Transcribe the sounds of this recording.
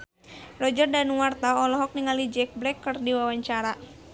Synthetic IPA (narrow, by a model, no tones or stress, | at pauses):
rɔd͡ʒərdanuwart̪aɔlɔɦɔk̚niŋalid͡ʒɛk̚blɛkːərdiwawaɲt͡ʃaɾa